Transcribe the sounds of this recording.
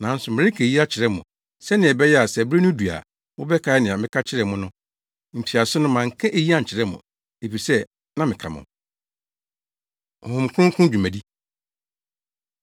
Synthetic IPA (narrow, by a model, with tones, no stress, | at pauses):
nã˨˦n̩˦sʊ˨mɪ̃˨ɾɪ˦kʰɛ˨ji˦a˦t͡ɕʰɪ˨ɾɛ˦mʊ̰̃˨ | sɛ˦nɪ̃˨ɛ˨bɛ˦jɛ˦a˨sɛ˨bɛ˦nʊ̃˦du˨a̰˨ | wʊ˦bɛ˦kʰa˨˦nɪ̃˨ã˨mɪ̃˦kʰa˦t͡ɕʰɪ˦ɾɛ˨mʊ̃˦nʊ̃˦˨ | m̩˨pʰi˨a˨sʊ˦nʊ̃˦mã˨ŋ̩˨kʰɛ̃˦ʔe˨ji˦a˦˨ɲ̩˨t͡ɕʰɪ˨ɾɛ˦mʊ̰̃˨ | e˨fi˨sɛ˦ | nã˦mɪ̃˨kʰa̰˨mʊ̰̃˨ | ɔ̰˨hʊ̃˨m˨kʰʊ̃˦ŋ˦kʰʊ̃˦d͡ʑᶣu˨mæ˨di˦